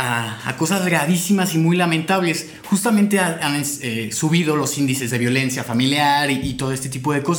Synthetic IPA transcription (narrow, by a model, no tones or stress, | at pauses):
aa̰ko̞sazɣɾaðisimasimujlame̞nt̪aβle̞s | xust̪amẽnt̪eaannsesuβið̞o̞lo̞sind̪ise̞zðe̞βjo̞le̞nsjafamiljaɾiːt̪o̞ð̞oe̞st̪e̞t̪ip̬o̞ð̞e̞ko̞sa